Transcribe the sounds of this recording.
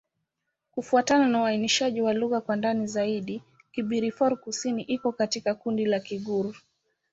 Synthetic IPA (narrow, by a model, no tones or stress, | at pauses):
kufuatananauwainiʃaʄiwaluɣakwandanizaiɗi | kiɓiɾifɔɾkusiniʔikɔkatikakundilakiɠuɾu